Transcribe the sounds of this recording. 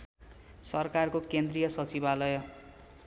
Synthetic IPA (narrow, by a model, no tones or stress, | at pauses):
sʌrkarkokend̪rijʌsʌt͡sibalʌjʌ